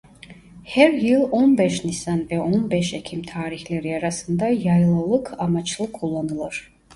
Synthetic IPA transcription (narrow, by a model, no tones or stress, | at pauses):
hɛɾjɯlˠonbɛʃnisanvɛonbɛʃɛkʰimt̪ʰaːɾiçlʲɛɾiaɾasɯnd̪ajajlˠalˠɯkʰamat͡ʃlˠɯkʰulˠːanɯlˠɯɾ̥